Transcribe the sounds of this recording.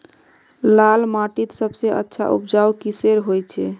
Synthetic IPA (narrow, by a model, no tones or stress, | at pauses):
lalmaʈit̪səbseʔə̰tːʃʰa̰ʔṵpd͡ʒaukiseɾɦojt͡ʃʰɛ